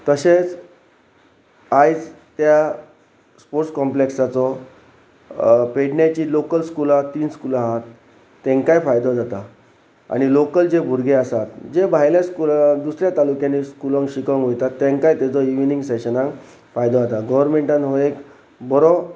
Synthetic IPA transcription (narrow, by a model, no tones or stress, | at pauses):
t̪əɕet͡s | ajt͡s | t̪ja | spoɾʈskɔmpleksat͡sɔ | peɽnjat͡ɕiːlokəlskulat̪ːiːnskulaɦat̪ː | ẽŋkajfajd̪ɔd͡zat̪a | a̰ɽ̃ilokəld͡ʑebʱuɾɡʱeasat̪d͡ʑebʱajljaskuld̪usɾjat̪alukjãniskulə̃ŋɕikəŋɡɦojt̪at̪ːẽŋkajt̪et͡sɔiʋnĩŋɡseɕənãŋk | fajd̪ɔat̪aɡɔʋəɾmeɳʈãnɦoek | bɔɾɔ